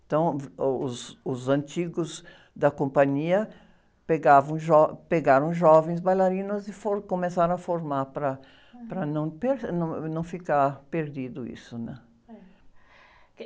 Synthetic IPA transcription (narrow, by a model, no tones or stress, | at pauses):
ẽt̪ɐ̃w̃ʊzʊzɐ̃nt͡ʃiɡʊz | d̪ɐkõmpɐ̃ɲiɐ | peɡavɐ̃w̃ʒɔpeɡaɾɐ̃w̃ʒɔvẽj̃s̬bajlaɾĩnʊzɪfoɾkõmesaɾɐ̃ɐfoɾmaɾpɾɐ | pɾɐnɐ̃w̃peɾnɐ̃w̃nɐ̃w̃fikaɾpeɾd̪id̪ʊḭsʊnɛ̃